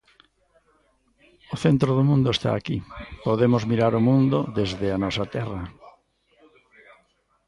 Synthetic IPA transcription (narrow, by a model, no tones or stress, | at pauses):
ʊθent̪ɾoðʊmũnd̪ʊest̪a̰ːkipoðemʊzmiɾaɾʊmũnd̪ʊðezðɪanɔsɐt̪ɛrɐ